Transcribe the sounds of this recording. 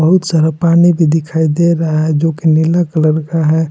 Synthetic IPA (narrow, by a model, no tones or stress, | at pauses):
əɦut̪saɾapanibʱid̪ikʰaid̪eɾaɦaɦɛd͡ʒokenilakələɾkaɦɛ